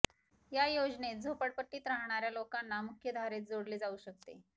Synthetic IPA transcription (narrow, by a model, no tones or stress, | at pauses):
jajod͡znet̪̚d͡zʱopəɽpəʈːiːt̪ɾaɦɳ̃aɾjalokanːamukʰjəd̪ʱaɾet̪̚d͡zoɽliːd͡zauːɕək̚t̪ḛ